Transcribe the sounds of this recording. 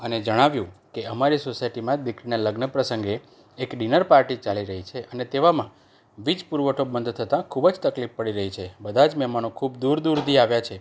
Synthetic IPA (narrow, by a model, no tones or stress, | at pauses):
əned͡ʒəɽ̃aʋjũkeəmaɾisosaiʈimãd̪ikɾineləɡnəpɾəsəŋɡeː | kɖinəɾpaɾʈit͡ʃaliɾəɦit͡ʃʰeʔənet̪eʋamã | ʋid͡ʒpuɾʋəʈʰobənd̪ʱt̪ʰət̪ãkʰubəd͡ʒt̪əklifpəɽiɾəɦit͡ʃʰebəd̪ʱad͡ʒmɛmanokʰubd̪uɾd̪uɾd̪iaʋjat͡ʃʰe